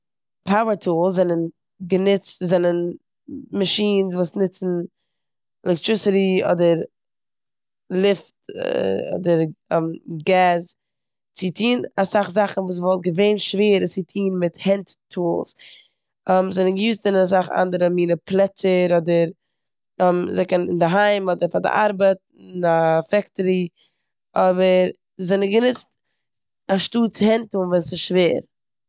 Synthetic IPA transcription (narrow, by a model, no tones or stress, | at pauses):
pʰaʊəɾtʰuːlˠszɛnən | ɡənɪt͡stzɛnən | maʃiːns̬vuːsnɪt͡sn̩ | ɛlɛktɹɪsɪɾiɔ̰dəɾ | lˠɪft | ɔ̰dəɾmɡaz | t͡sɪtʰiːnasaχzaχn̩vuːs̬vɔlˠt̚ɡəveɪnʃveːəɾət͡sɪtʰiːnmɪthɛnttʰuːlˠs | ɛmzɛnɪɡəjuːstɪnɪnas̬aχa̰ndəɾəmiːnəplˠɛt͡səɾɔdəɾ | mzɛkənɪ̰ndɪɦaɪmɔdəɾfadɪ̰ʔaɾbət̚ | ɪnafɛktəɾi | ɔbəɾ | zɛnəɡənɪt͡st | aʃtuːt͡sɪhɛntunvɛnsɪsʃveːɾ